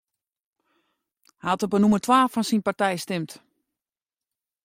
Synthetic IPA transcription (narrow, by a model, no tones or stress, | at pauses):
hɛatəbənumərtʰwaːfɔnsinpartɛjstɪmt